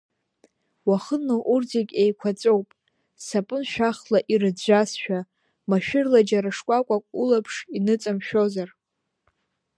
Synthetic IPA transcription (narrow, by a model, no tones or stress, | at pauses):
waχənoʔurd͡zikʲʼejkʷʰat͡sʼowpʼ | sapʼɨnʃᶣaχlaʔirɨd͡ʒʷasʃᶣa | maʃᶣɪrlad͡ʒaɾaʂkʷʼakʷʼakʷʼulapʰʂinɨt͡sʼamʃᶣo̞zar